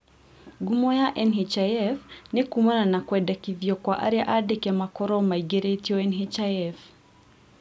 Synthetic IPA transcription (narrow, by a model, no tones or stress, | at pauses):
ɡumɔjaʔɛnɦet͡ʃaɛfnekumananakwɛdɛkiðjɔkwaʔa̰ɾiaʔadɛkjamakɔɾɔmaiɡeɾatiɔɛnɦet͡ʃaɛf